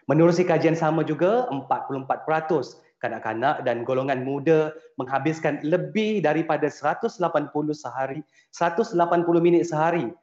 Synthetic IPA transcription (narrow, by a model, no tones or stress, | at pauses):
mənuɾusikad͡ʒiansamãd͡ʒuɡaəmpat̪̚pulʊəmpat̪̚pəɾat̪ʊs | kanaʔka̰naʔdanɡoloŋanmũdamə̃ŋɦabɪskanləbɪhdaɾipadasəɾat̪ʊslapanpulʊhsəɦaɾi | səɾat̪ʊslapanpulʊhmĩnɪt̪̚səɦaɾi